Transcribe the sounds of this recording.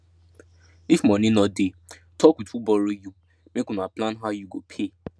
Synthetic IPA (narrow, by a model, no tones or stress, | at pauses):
ifmɔ̃nĩnɔde | tʰɔkwidfubɔɾoju | mekũnaplãnɦaʊjuɡopʰe